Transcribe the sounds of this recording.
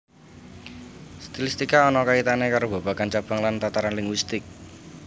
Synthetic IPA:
st̪ilist̪ikaɔnɔkait̪anekaɾob̥a̤b̥a̤kant͡ʃab̥a̤ŋlant̪at̪aɾanlɪŋɡwist̪ɪk̚

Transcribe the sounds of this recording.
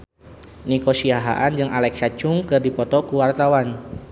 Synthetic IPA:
nikosiaɦa̰ʔand͡ʒɨŋʔalɛksat͡ʃuŋkɨrdipɔt̪ɔkuwart̪awan

